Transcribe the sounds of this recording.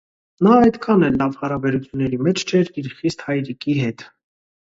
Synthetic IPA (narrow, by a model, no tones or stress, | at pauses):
nɑɑjd̪kʰɑnɛlɑvhɑɾɑbɛɾut͡sʰjunːɛɾimɛt͡ʃʰt͡ʃʰɛɾiɾχist̪hɑjɾikiɦɛt̪